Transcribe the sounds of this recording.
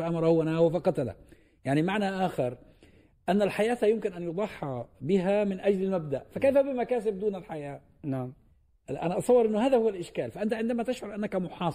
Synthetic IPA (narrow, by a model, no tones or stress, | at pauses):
aʔamɑɾˤɑhʊwːanawafɑqɑt̪ala̰ | jaʕnimaʕnaʔaːxɪɾ | ʔanːalħajaːθajʊmkɪnʔanjʊd̪ˤɑħːɑbɪɦamɪnʔad͡ʒlɪlmab̚d̪aʔfakajfabɪmakaːs̬ɪb̚d̪uːnalħajaː | naʕm | ʔa̰naʔɑsˤɑwːɑɾˤʔɪnːʊhaːðahʊwalʔɪʃkaːlfaʔɪnt̪aʕɪnd̪amat̪ɪʃʕʊɾˤʔanːakamʊħɑːs